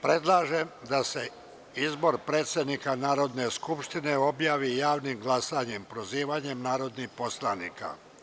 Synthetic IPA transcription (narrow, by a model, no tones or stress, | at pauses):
pɾe̞d̪lˠaːʒe̞md̪ase̞ | izbo̞ɾpɾe̞ːt̪sʲed̪nikanaːɾo̞d̪ne̞skupʃt̪ine̞o̞bjaːʋijaːʋnimɡlˠasaɲempɾoziːʋaːɲe̞mnaːɾo̞d̪nihpo̞slˠaniːka̰